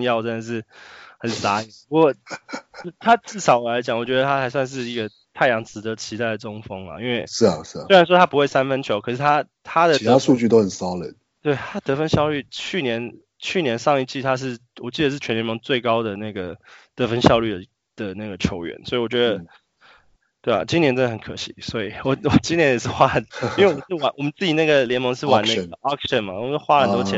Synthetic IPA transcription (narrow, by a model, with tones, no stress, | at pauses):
jɑ˥˧ʊʈ͡ʂə˥nd̪ə˨˩ʂɻ̩˥˩xə˨˩nsa˧˥i˨˩pu˧˥kɔ˥˧˥ | t̪ʰa˦˥ʈ͡ʂɻ̩˥˩ʂɑ˨˥ʊ˨˩la˧˥ɪt͡ɕjɑ˨˩˦ŋwɔ˨˩t͡ɕɥɛ˧˥ə˧t̪ʰa˥xa˧˥ɪs̬wa˥˧nʂ̬ɻ̩˥˧i˧˥ɡə˧ | t̪ʰa˥˩ɪjɑ˧˥ŋt͡sɻ̩˧˥d̪ə˧˦t͡ɕʰi˧˥t̪a˥˩ɪd̪ə˩ʈ͡ʂʊ˥ŋfɤ˥ŋla̰˨i˥nwe˥˩ɪʂ̩˥˩a˨˩ɻ̩˥˩˨e˥ɪɻa˧˥nʂwɔ˥t̪ʰa˥pu˧˥we˥˩ɪsa˦˥nfə˥nt͡ɕʰjo˧˦ʊkʰɤ˨˩ʂɻ̩˥˩t̪ʰa˦˥ | t̪ʰa˥d̪ə˨i˧tʰa˥ʂu˥˧t͡ɕy˥˩t̪o˥xə˨˩nsɑ˦˥li˨˩d̪̚ | t̪we˥˩ɪt̪ʰa˥t̪ɤ˧˥fə˥nɕjɑ˥˧ʊly˥˩t͡ɕʰy˥˩njɛ˧˦n | t͡ɕʰy˥˩njɛ˧˥nʂɑ˥˧ŋi˥˧t͡ɕi˥˩t̪ʰa˥ʂ̬ɻ̩˥˩ | wɔ˨˩t͡ɕi˥˩d̪ə˩ʂ̬ɻ̩˥˩t͡ɕʰɛ˧˥nljɛ˧˥mɤ˧˥ŋt͡swe˥˩ɪkɑ˥ʊd̪ə˨na˥˩ɡə˩t̪ɤ˧˥fə˦nɕjɑ˥˧ʊly˥˩d̪ə˩ | d̪̥ə˩na˥˩ɡə˩t͡ɕʰjo˧˥ʊɥɛ̰˧˦nswɔ˧˥i˨˩wɔ˨˩t͡ɕɥɛ˧˥d̪ə˧ | t̪we˥˩ɪa̰˨˩t͡ɕi˥ŋnjɛ˧˥nt͡sə˥n˨˩ə˨˦nkʰɤ˧˩ɕḭ˧˨˦swɔ˧˥i˨˩wɔ˨˩wɔ˨˩t͡ɕi˥nt̪ʰjɛ˧˥njɛ˨˩ʂɻ̩˥˩xwa˥˨˩i˥we˥˩wm˧˦˥ʂ̩ɻ̩˥˩wa˨˦nwʔɔ˨˩mə˦nt͡sɹ̩˥˩t͡ɕi˨˩na˥˩ɡə˩ljɛ˧˥nmɤ˧˥ŋʂ̬ɻ̩˥˩wa˨˦na˥˩˧ə˩ɑ˥k̚ʂə˥˨˩nma˨˩wxwa˥la˧˥nt̪o˥t͡ɕʰjɛ˧˥